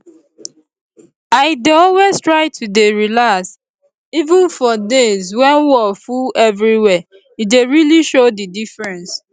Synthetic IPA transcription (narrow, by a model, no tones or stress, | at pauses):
aɪdeɔlweztɹaɪtʰudeɹilas | ivũnfɔdezwɛnwɔfuɛvɹiwɛ | ideɹiliʃodidifɹɛ̃ns